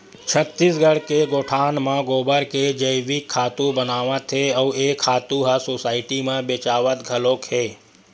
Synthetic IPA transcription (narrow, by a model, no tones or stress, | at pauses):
t͡ʃʰət̪ːisɡʱəɽ̤keɡoːʈʰaːnmãɡoːbəɾked͡ʒəɪʋɪkʰːaːt̪ũbənaːʋət̪ʰeɔːeːkʰːaːt̪ũɦasoːsaːɪʈimẽbeːt͡ʃaːʋət̪ɡʱɐlõːkɦeː